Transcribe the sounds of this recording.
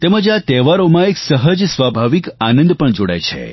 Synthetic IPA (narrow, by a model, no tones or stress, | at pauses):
t̪ɛməd͡ʒat̪ɛʋaɾomãeksəɦəd͡ʒsʋabʱaʋikanə̃nd̪pəɳd͡ʒoɽa̰jt͡ʃʰḛ